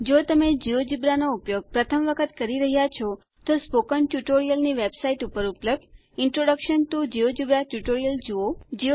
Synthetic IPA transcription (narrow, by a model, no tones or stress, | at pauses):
d͡ʒot̪əmed͡ʒiod͡ʒɪbɾanoupjoɡ̚pɾət̪ʰəmʋəkʰət̪kəɾiɾəɦjat͡ʃʰɔ | t̪ospokənʈjuʈoɾijəlniʋebsaiʈupəɾupləb̚d̪ | ɪɳʈɾoɽəkʃənt̪ũd͡ʒiʋod͡ʒɪbɾaʈjuʈoɾijəld͡ʒuod͡ʒi